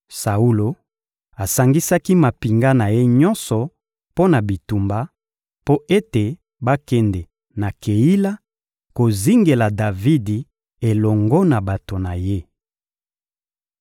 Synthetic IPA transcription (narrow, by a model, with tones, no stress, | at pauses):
sa˨u˦lo˨ | a˨sa˨ŋɡi˦sa˦ki˦ma˨pi˨ŋɡa˦na˨je˦ɲɔ˦nsɔ˨ | po˦na˨bi˨tu˨mba˦ | po˦e˦te˨ | ba˦kɛ˦ndɛ˨ | na˨kʰe˨i˦la˦ | ko˨zi˦ŋɡe˨la˨da˨vi˦di˨ | e˨lɔ˨ŋɡɔ˦na˨ba˨to˨na˨je˦